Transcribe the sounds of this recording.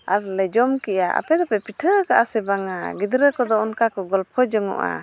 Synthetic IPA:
aɾlɛd͡ʒɔmkɛjaʔa̰pɛd̪ɔpɛpiʈʰəkaʔasɛbaŋaɡid̪ɾəkɔd̪ɔɔnkakɔɡɔlpʰɔd͡ʒɔŋɔ̰ʔa̰

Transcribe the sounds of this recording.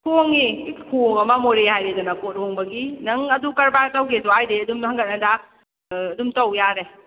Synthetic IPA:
kʰoŋikʰoŋɐmamoɾehajɾedanakot̚hoŋbɐɡinɐŋɐdukɐɾbaɾtawɡeduajdeɐdumhɐŋɡɐt̚nɐdaː | dumtawjaɾe

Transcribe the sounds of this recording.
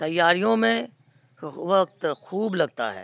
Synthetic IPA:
t̪ɐjːaːɾijõmẽ | ʋɐk̚t̪xuːblɐɡ̚t̪a̰ɦɛ̰ː

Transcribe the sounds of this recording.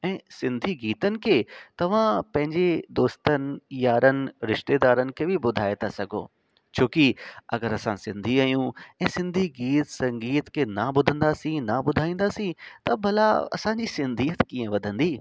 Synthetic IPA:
ɛ̃ːsɪ̃nd̪ʱiɡiːt̪ənɪ̆kʰeːt̪ɐʋ̤ãpɐ̃ɦɪ̃ɲd͡ʑed̪oːst̪ənɪ̆jaːɾənɪ̆ɾɪʃt̪eːd̪aːɾənɪ̆kʰeːbɪbʊd̪ʱaːet̪ʰasɐɡʱo̰ː | t͡ɕʰoːkiɐɡəɾɐsãsɪ̃nd̪ʱiaːjũɛ̃ːsɪ̃nd̪ʱiɡiːt̪sɐ̃ŋɡiːt̪kʰenabʊd̪ʱə̃nd̪aːsĩnabʊd̪ʱaːĩːnd̪aːsĩt̪ɐbʱɐlaɐ̰sãɲd͡ʑisɪ̃nd̪ʱiːət̪kĩːə̃ʋɐd̪ʱə̃nd̪iː

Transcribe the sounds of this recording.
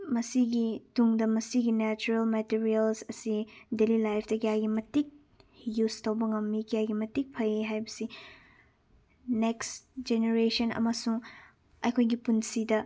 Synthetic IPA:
mɐsiɡituŋdɐmɐsiɡinet͡ʃuɾelmetiɾiɐlsɐsidelilajpʰdɐkijajɡimɐtik̚ | justowbɐŋɐmːikijajɡimɐtik̚pʰɐjiɦajbɐsi | neksd͡ʒeneɾesɐnɐ̰mɐsuŋ | ɐ̰jkʰojɡipunsidɐ

